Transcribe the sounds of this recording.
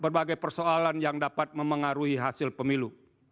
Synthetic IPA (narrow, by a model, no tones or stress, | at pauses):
bərbaɡajpərsoalanjaŋdapat̪̚məməŋaɾuɦiɦasɪlpəmilu